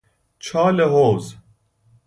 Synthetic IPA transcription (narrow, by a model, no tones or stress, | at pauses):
t͡ʃʰɑːleɦoːz